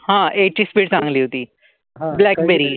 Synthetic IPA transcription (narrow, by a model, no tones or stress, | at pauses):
hãːʔeːʈispiːʈsãːŋɡliːɦot̪iː | blɛːkbeɾi